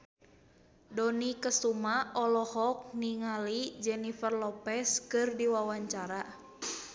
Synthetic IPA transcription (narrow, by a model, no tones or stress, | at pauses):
dɔnikəsumaɔlɔhɔk̚niŋalid͡ʒɛnifərlɔpɛskɨrdiwawaɲt͡ʃaɾa